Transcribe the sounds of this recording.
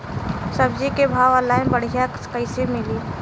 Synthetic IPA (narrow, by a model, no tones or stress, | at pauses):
səbd͡ʒikebʱaːʋalaːɪnbəɽ̤ija | kəɪsemɪliː